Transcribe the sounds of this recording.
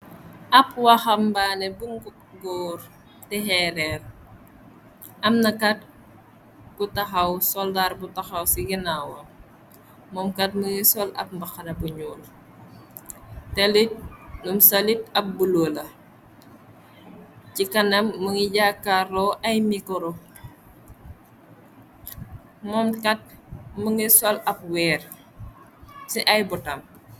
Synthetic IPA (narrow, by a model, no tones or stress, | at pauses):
ɐpwɐxɐmbanɛbuŋɡu | ɡɔːr | tɛɦɛɾɛr | ʔɐmnɐkɐt̚ | butɐxɐwsɔldarbutɐxɐwsiɡinawɐ | mɔmkɐt̚məŋisɔlɐ̰p̚mbɐxɐnɐbuɲuːl | tɛlit̚numsɐlit̚ɐp̚buloːlɐ | cikɐnɐmːəŋiɟakːarɔʔɐjmikɔɾɔ | mɔmkɐt̚məŋisɔlɐp̚wɛːr | siʔɐjbutɐm